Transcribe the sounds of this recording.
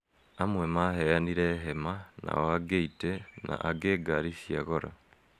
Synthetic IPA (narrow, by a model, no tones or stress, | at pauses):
amwemahejaniɾeɦemana̰oaɡeitena̰ʔaɡeːɡaɾifjaɣoɾa̰